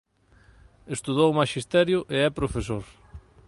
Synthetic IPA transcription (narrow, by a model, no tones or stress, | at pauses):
est̪uðowmaʃist̪ɛɾjʊʔeɛpɾofesoɾ